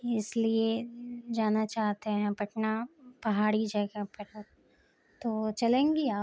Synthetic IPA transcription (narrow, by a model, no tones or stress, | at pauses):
ɪslied͡ʒaːnat͡ʃaːɦt̪eɦɛ̃bɐʈnapɐɦaːɽid͡ʒɐɡapɐɾ | t̪oːt͡ʃɐlẽːŋɡiaː